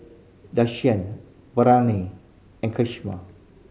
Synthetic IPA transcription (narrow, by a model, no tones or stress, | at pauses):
daʃiə̃n | bəɾani | ɛ̃nkʰɪʃma̰